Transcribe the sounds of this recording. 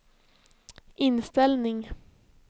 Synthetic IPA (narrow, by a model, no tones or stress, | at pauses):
ʔɪnst̪ɛlnɪŋ